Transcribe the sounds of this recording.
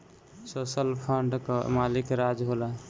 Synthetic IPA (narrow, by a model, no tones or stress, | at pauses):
sosəlpʰəɳɖkəmalikɾad͡ʒɦolə